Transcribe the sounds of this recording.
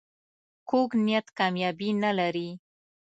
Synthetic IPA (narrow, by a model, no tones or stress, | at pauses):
koɡnijat̪kɑmjɑbinalaɾi